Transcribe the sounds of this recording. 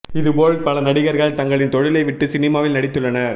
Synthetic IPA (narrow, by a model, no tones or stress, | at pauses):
ɪðɯpoːɭpɐlɐnɐɽɪɣɐɾɣɐɭt̪ɐŋɡɐɭɪnt̪ɔɻɪlɐɪʋɪʈːɯsɪnɪmaːʋɪlnɐɽɪt̪ːɯɭːɐnɐɾ